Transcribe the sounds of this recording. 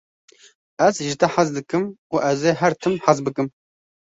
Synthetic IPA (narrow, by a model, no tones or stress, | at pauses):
ɛzʒɪt̪ʰɛħazd̪ɨkɨmuːʔɛzeːɦɛɾt̪ʰɨmħazbɨkɨm